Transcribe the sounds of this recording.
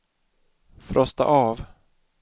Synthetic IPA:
fɾʔɔst̪a̰ʔɑːv

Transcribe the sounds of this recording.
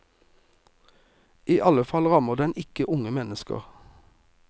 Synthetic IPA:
iːʔɑləfɑlʁɑməʁd̪ɛnɪkəʔʊŋəmɛnəskə̰ʁ

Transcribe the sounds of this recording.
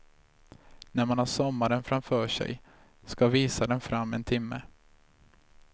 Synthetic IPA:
næɾmanhaʂɔmːaɾənfɾamfœːʂɛ̰j | skaviːsad̪ɛnfɾamːɛ̰nt̪ʰɪmːə

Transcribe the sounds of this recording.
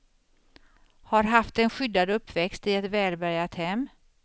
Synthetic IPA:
haɾɦaft̪ɛnɧʏd̪ːad̪ɵpʰːvɛkst̪ɪɛt̪vɛːlbæɾjat̪hɛmː

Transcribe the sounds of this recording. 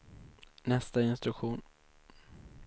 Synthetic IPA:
nɛst̪aɪnst̪ɾɵkɧuːn

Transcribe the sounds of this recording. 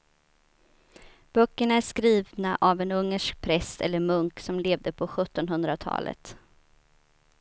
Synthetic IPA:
b̥œkːəɳaæʂkɾiːvnaʔavɛnɵŋːəʂk̚pʰɾɛsɛ̰lːəɾmɵŋksɔmleːvd̪əpʰɔɧɵt̪ːɔnɦɵnd̪ɾat̪ʰɑ̰ːlʔə̰t̪

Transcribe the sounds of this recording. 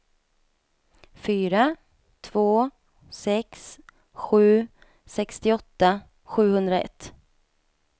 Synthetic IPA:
fyːɾa | t̪ʰv̥oː | sɛks | ɧʉ̟ː | sɛkst̪ɪɔt̪ːa | ɧʉ̟ːhɵnd̪ɾaɛ̰t̪ː

